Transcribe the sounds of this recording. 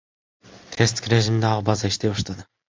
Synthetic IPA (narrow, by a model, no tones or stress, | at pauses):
t̪ʰest̪kɾʲeʒimnd̪ɑʁbɑzɑiʃt̪eɑʃt̪ɑd̪ɯ